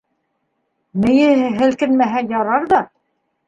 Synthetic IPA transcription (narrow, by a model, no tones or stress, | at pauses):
mɘ̆jɘ̆ɦɘɦɘ̆lkɘnmæɦæjɑɾɑɾðɑ